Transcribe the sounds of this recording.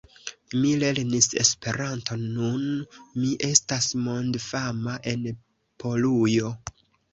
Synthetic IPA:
mile̞ɾnise̞̰spe̞ɾanto̞nːunmiʔe̞stasmo̞ndfamaʔe̞n | pʰo̞lujo̞

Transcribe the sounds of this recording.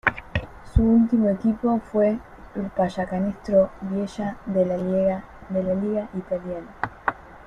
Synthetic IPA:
suult̪imo̞ekipo̞fwe | elpaʃakanest̪ɾoβjeʃaðela | d̪elaliɣaʔit̪aljana

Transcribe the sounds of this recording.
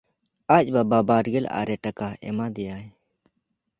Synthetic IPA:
ac̚ˀbababaɾɡɛla̰ɾɛʈakaɛ̰mad̪ɛja

